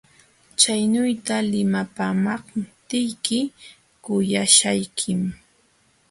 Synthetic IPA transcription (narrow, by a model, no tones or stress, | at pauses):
t͡ʃajnʊjt̪alɪmapaːmɑχt̪ɪjkɪ | kʊjaʃajkʰɪm